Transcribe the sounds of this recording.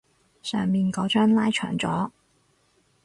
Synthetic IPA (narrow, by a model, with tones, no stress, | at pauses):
sœː˨ŋmiː˨nkɔː˨˧˥t͡ʃœː˥ŋlaː˥jt͡ʃʰœ̰ː˨˩ŋt͡sɔː˨˥